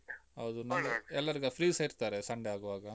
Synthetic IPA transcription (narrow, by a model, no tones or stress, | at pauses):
ɦɐwd̪unɐmɐɛlːɐɾiɡɐpʰɾiːsɐiɾt̪aːɾesɐɳɖeaːɡuʋaːɡɐ